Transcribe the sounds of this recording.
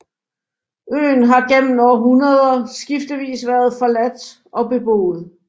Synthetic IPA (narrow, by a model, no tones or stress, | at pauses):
ø̰ːn̩ɦɑ̈ɡ̥em̰m̩nɒɦunɐð̞ˠɐsɡ̥ifd̥əʋḭːsʋæɐð̞ˠfɒ̽læd̥ | ʔɒ̽b̥e̝b̥o̝̰ːð̩ˠ